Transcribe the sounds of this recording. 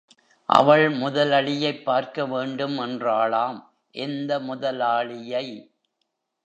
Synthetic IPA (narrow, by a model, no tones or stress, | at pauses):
ʔɐ̰ʋɐɭmʊðɐlɐɭɪjɐɪpːaːɾkɐʋeːɳɖɯmɛndraːɭaːm | ʔɛnd̪ɐmʊðɐlaːɭɪjɐɪ